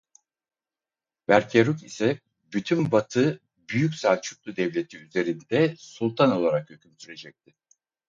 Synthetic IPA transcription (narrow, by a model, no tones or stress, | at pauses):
væɾcʰeɾukisɛ | byt̪ʰymbat̪ʰɯ | byjycsaːt͡ʃʰu̥k̚lˠud̪ɛvlʲe̞t̪ʰiyze̞ɾind̪ɛsulˠt̪ʰano̞lˠaɾakhøcʲʰymsyɾe̞d͡ʒɛc̚t̪̚ʰɪ